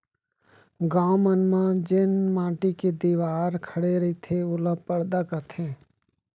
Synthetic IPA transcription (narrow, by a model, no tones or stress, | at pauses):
ɡaːmənmãd͡ʒɪnmãːʈiked̪iːʋaːɾkʰəɽeɾɐit̪ʰeʊləpəɾd̪akɐt̪ʰẽː